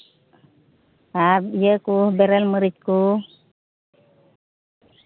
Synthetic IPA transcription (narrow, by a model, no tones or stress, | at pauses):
ajəkuhbɛɾɛlməɾit̪̚ku